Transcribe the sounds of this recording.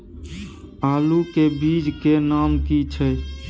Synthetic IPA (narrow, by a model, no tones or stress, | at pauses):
aːlukebid͡ʒkenamkit͡ʃʰəj